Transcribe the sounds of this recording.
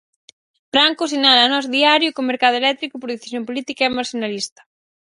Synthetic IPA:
fɾaŋkosinalanɔzðiaɾjʊkomeɾkaðʊelɛt̪ɾikʊpoɾðeθi̥sjompolit̪ikaɛmaɾsonalist̪ɐ̥

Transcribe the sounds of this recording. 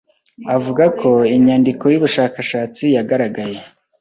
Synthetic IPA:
avuɡakʰo̞iɲaːndiko̞juβuʃaːkaʃaːt͡sijaɡaɾaɡaje̞

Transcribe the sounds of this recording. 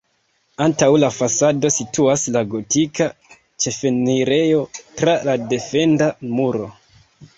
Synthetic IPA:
antawlafasado̞sitʰuaslaɡo̞tika | t͡ʃe̞fe̞niɾe̞jo̞tɾalade̞fe̞ndamuɾo̞̰

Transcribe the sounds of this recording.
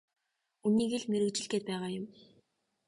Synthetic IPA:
uniːɣĕɮmeɾɘ̆kt͡ɕɪ̆ɮɡeːpæːʁaːjʊm

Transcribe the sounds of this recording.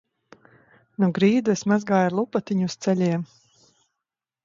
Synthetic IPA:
nuɡɾiːd̪uesmazɡaːjaɾlˠupat̪iɲuːst̪sɛlʲiɛm

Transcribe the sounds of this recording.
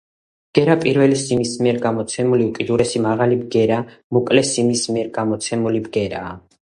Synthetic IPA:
bɡ̥ɛɾapʼiɾvɛlisimismiɛɾɡamɔt̪sʰɛmuliukʼid̪uɾɛsimaʁalibɡɛɾamukʼlɛsimismiɛɾɡamɔt̪sʰɛmulibɡɛɾaː

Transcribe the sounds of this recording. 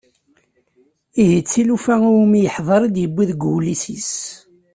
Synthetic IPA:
iɦit͡sːilufæuwmijəħðˤɑɾˤid̪jəbːiðɡulisis

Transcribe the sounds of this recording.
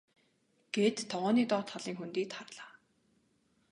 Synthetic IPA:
ɡ̥et̪ːʰɔʁɔːniːt̪ɔːt̪χaɮiːŋxunt̪iːt̪χarɮaː

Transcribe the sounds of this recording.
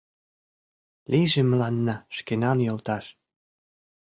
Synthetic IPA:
lʲiʒĕmə̆lɑnːɑʃkenɑnjolt̪ɑʃ

